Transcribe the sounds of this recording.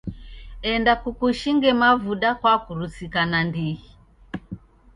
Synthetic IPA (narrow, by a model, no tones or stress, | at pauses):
ɛndakukuʃiŋɡɛmavuɗakwakuɾusikanandihi